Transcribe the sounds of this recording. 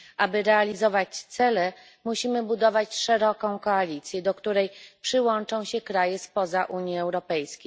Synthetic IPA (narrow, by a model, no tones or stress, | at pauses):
ʔabɘɾɛalʲizɔvat͡ɕt̪sɛlɛ | muɕimɘbud̪ɔvat͡ɕʂɛɾɔkɔ̃w̃kɔalʲit̪sʲjɛd̪ɔkt̪uɾɛjpʂɘwɔnt͡ʂɔ̃w̃ɕɛkɾajɛspɔzaʔuɲjiɛwɾɔpɛjskʲejj